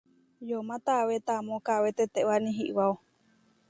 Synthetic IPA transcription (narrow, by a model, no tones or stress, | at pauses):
jomãt̪awet̪amõkaβet̪et̪eʔwanĩɦiʔwao